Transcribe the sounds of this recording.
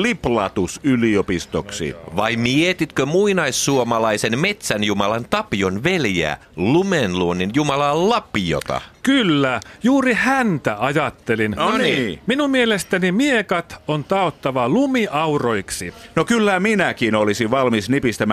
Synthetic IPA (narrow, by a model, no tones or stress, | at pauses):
liplɑt̪usyliopist̪oksḭʋɑimiet̪it̪kømuinɑisːuomɑlɑisenme̞t̪sænjumɑlɑnt̪ɑpionʋeljæ̰ːlumenluonːinjumɑlɑllɑpio̰t̪ɑ̰kylːæjuːrihænt̪æɑjɑt̪ːelinniminummielest̪ænimiekɑt̪ont̪ɑot̪ːɑʋɑlumiʔɑuroiksinokylːæminækinolisiʋʋɑlmisnipist̪æmæ